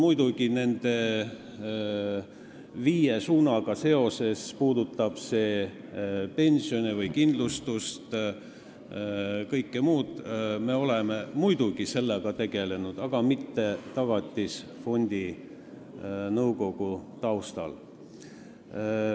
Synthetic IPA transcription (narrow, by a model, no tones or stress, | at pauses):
mujd̪uɡ̥ine̞nd̪̥e̞ | viːjesuːnɑɡ̥ɑse̞o̞se̞spuːd̪ut̪ˑːɑb̥se̞ː | pe̞nʲsio̞nʲivɤjkind̪lust̪ust̪ | kɤjkːemuːd̪̥me̞o̞lememujd̪̥uɡ̥ise̞lːeɡ̥ɑt̪e̞ɡ̥e̞le̞nud̪̥ɑɡ̥ɑmit̪ːe̞t̪ɑɡ̥ɑt̪ʲːˑisfo̞nʲd̪̥i | nɤwko̞ɡ̥ut̪ɑwst̪ɑ̰l